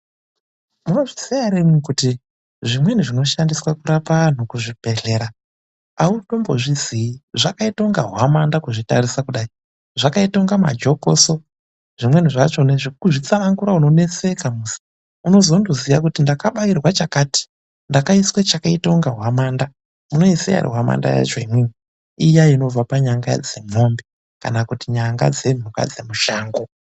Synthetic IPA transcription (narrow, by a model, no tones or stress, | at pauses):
muno̞ʐisijaɾemikuti | ʐimwe̞niʐino̞ʃandiswakuɾapan̤ukuʐib̥ʱe̞ɮe̞ɾa | auto̞mbo̞ʐiziiʐakaito̞ŋɡaɦwamandakuʐitarisakuɗai | ʐ̥akaitoŋɡama̰d͡ʒo̞koso̞ | ʐ̥imwe̞n̤iʐat͡ʃo̞neʐikuʐit͡samaŋkuɾauno̞ne̞t͡se̞kamusi̥ | uno̞zo̞ndozijakutindakaɓairwat͡ʃakaːti̥ | ndakaiswet͡ʃakaitoŋɡaɦwamaːnda | uno̞isḛja̰rḭɦwama̰nda̰ja̰t͡ʃoimwe | ijaino̞b͡vapaɲaŋɡa̰d͡ze̞mo̞mbe | ka̰nakutiɲaŋɡa̰d͡ze̞n̤uka̰d͡ze̞muʃaːŋɡo